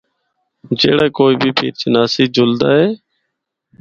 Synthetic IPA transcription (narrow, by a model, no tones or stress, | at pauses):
d͡ʒḛːɽaːkoːiːbʱiːpʰḭːt͡ʃnaːsiːd͡ʒʊld̪aːɦeː